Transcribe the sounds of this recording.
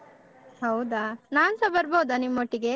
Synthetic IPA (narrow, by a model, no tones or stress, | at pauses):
ɦɐwd̪anaːnsɐbɐɾbɐːd̪animːoʈːiɡe̞